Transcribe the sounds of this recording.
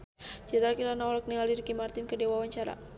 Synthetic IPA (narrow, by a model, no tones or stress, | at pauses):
d͡ʒɛd̪ɾakiɾanaɔlɔk̚nialiɾikimart̪inkədewawaɲt͡ʃaɾa̰